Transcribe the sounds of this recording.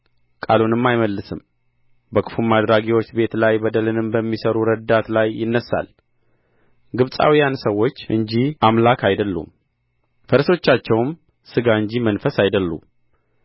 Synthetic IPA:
kʼa̰lunɨmːajməlːɨsɨm | bəkʰɨ̥fumːad̪ɾaɡiwo̞t͡ʃːbe̞t̪lajbəd̪əlɨnɨmbəmːisəɾuɾəd̪at̪lajːɪnːəsa̰l | ɡɨβsʼa̰wijansəwːo̞t͡ʃːʔɨ̰ɲd͡ʒiʔamlakʰajd̪əlːṵm | fəɾso̞t͡ʃːat͡ʃːɛwm | sɨɡaɨɲd͡ʒimənfəsajd̪əlːṵ

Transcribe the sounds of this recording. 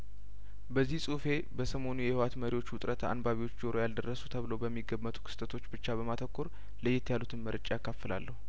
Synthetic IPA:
bəzːihsʼufe̞bəsəmo̞nujɛhɪwat̪məɾiwo̞t͡ʃːwʊt̪ʼɾət̪ʰa̰nbaβiwo̞t͡ʃːd͡ʒoɾojald̪ərːəsut̪ʰəβɨləwbəmːiɡːəmːət̪ʰʼu̥kʰɨ̥st̪ʼət̪ʰo̞t͡ʃːbɨt͡ʃːabəmat̪ʰəkʰːuɾ | ləjːɛt̪ʰːjalut̪ʰɨnməɾɨt͡ʃʼajakʰːafːəla̰lːəhu

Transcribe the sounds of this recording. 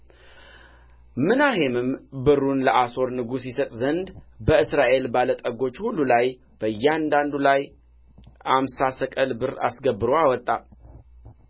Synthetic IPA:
mɨnaɦe̞mɨmbɨrːunləʔaso̞ɾnɨɡusisət̪ʼzənd̪bəɨsɾaʔe̞lbalət̪ʼəɡo̞t͡ʃːhulːulaj | b̥əjːɛand̪and̪ulaj | amsasəkʼəlbɨɾa̰sɡəbːɨɾoawɔt̪ʼːa

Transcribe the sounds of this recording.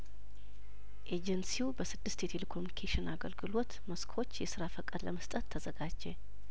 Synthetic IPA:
ʔed͡ʒənsiubəsɨd̪ːɨst̪jet̪ʰelekʰomjunikʰeʃɪnaɡəlɡɨlo̞t̪məskʰo̞t͡ʃːjɛsɨɾafəkʼəd̪ləməst̪ʼət̪ʰːəzəɡad͡ʒːe

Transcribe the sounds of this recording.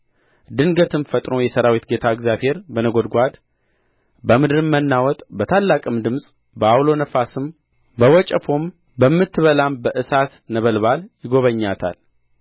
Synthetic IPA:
d̪ɨŋɡət̪ɨmfət̪ʼɾo̞jɛsəɾawit̪ɡe̞t̪ʰaɨɡzjaβhe̞ɾbənəɡo̞d̪ɡʷad̪ | bəmɨd̪ɾɨmːənːawɔt̪ʼbət̪ʰalːakʼɨmd̪ɨmsʼ | bəawlo̞nəfasɨm | bəwɔt͡ʃʼəfo̞m | bəmːɨt̪ːɨβəlambəʔɨsat̪nəβəlβaljɪɡo̞βəɲːat̪ʰa̰l

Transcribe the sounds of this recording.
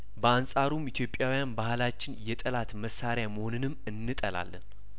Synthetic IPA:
bəansʼaɾumit̪ʰjo̞pʼːjawijanbahlat͡ʃːɪnjɛt̪ʼəlat̪məsːaɾjaməhonɨnɨmːɨnːɨt̪ʼəla̰lːən

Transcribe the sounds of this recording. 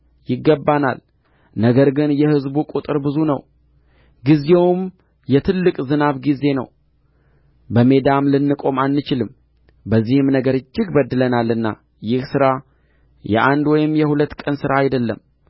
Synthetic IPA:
jɪɡːəbːana̰l | nəɡəɾɡɨnjɛhɨzbukʼut̪ʼɨɾbɨzunəw | ɡize̞wm | jɛt̪ʰɨlːɨkʼzɨnaβɡize̞nə̰w | bəme̞d̪amlɨnːɨkʼo̞malːɨt͡ʃɪlɨm | bəzːihɨmnəɡəɾɨt͡ʃːɪɡbəd̪ːɨlənalɨnːa̰ | jɪhsɨɾa | jɛ̰ʔand̪wɔjɪmːjɛhulət̪ːkʼənsɨɾaːjd̪əlːəm

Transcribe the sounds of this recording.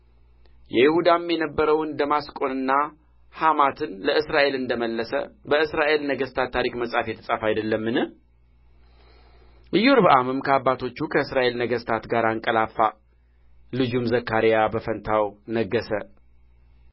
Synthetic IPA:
jɛjɪhud̪amjɛnəbːəɾəwɨnd̪əmaskʼo̞nɨnːa | hamat̪ʰɨnləɨsɾaʔe̞lɨnd̪əməlːəsə̰bəɨsɾaʔe̞lnəɡəst̪ʰat̪ʰːaɾikməsʼafjɛt̪ʰəsʼafajd̪əlːəmːɨnɨh | ʔɨjoɾbəʔamɨmkʰəabːat̪ʰo̞t͡ʃːukʰəɨsɾaʔe̞lnəɡəst̪ʰat̪ɡaɾaŋkʼəlafːa | lɨd͡ʒumzəkːaɾijabəfənt̪ʰawnəɡːəsə

